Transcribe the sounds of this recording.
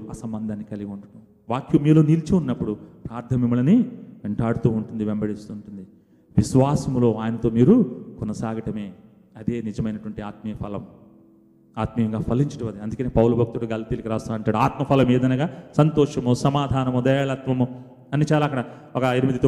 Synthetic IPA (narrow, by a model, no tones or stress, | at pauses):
ɐsɐmbɐnd̪ʱaːnːikɐliɡiuɳʈunu | ʋaːkjumiːlo̞ːnilt͡ʃiunːɐpːuɽupɾaːɾt̪ʰɐmimːɐlɐniʋeɳʈaːɽut̪uːɳʈund̪iʋembɐɽist̪uːɳʈund̪i | ʋiʃʋaːsɐmlo̞ːaːjɐnɐt̪o̞ːmiːɾukɔnɐsaːɡʱɐʈɐmeː | ɐd̪eːnid͡ʒɐmɐjnɐʈʋɐɳʈiaːt̪̚mɐjɐpʰɐlɐm | aːt̪mɐjɐŋɡaːpʰɐlːiɲt͡ʃɐʈɐʋɐd̪iɐnd̪ukɐneːpɐwulɐbʱɐk̚t̪ukeɡɐlɐt̪iːlɐkiɾaːst̪aːnɐɳʈaːɽuaːt̪mɐpʰɐlɐmeːd̪ɐjnaːɡaːsɐnt̪ɔːʂɐmusɐmaːd̪ʱaːnɐmud̪ɐjaːlat̪mɐmu | ɐnːit͡ʃaːlaːɐkːɐɽɐ | ɔkɐinimid̪ʱit̪ː